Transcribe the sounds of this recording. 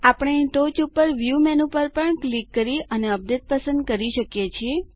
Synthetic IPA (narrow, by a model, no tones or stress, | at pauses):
apɳ̃eiʈot͡ʃupːəɾʋjumɛnũpəɾpəɳklikːəɾiəneəp̚d̪et̪̚pəsə̃nd̪̚kəɾiʃəkjet͡ʃʰie